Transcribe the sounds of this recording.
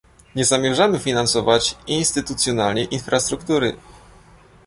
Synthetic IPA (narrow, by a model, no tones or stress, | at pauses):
ɲɛzamʲjɛʐamɘfʲinansɔvat͡ɕinst̪ɘt̪ut̪sʲjɔnalɲɛʔinfɾast̪ɾukt̪uɾɘ